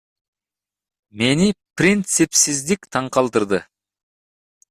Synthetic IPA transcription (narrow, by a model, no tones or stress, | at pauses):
me̞niprʲint̪sɨpsɪzd̪ɪkt̪ʰɑɴqɑlˠd̪əɾd̪ə